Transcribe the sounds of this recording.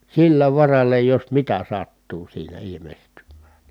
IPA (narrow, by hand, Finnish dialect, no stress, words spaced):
silːæ ʋɑrɑlːɑ jos mitæ sɑtːuː siːnæ ilimestymːæ̥ːn̥